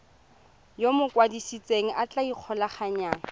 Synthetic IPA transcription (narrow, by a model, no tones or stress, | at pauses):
jomʊkʼwadisit͡sʼeŋ̩ʔat͡ɬaiq͡χʰɔlaχaɲaːŋa